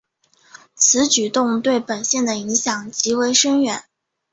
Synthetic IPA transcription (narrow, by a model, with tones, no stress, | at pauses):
t͡sʰɹ̩˧˥t͡ɕy˨˩t̪ʊ˥˧ŋt̪we˥˩ɪpə˨˩nɕjɛ˥˩nd̪ə˩i˧˥ŋɕjɑ˨˩ŋt͡ɕi˧˥we˧˥ɪʂə˥ŋɥɛ˨˧˩n